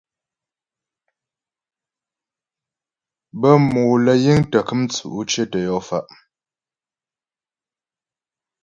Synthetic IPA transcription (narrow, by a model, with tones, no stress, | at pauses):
bə˦moː˨lə˨ji˦ŋtə˨kɨ˦mt͡sṵ˨ʔu˦t͡ʃe˦tə˨jɔ˦fa˦ʔ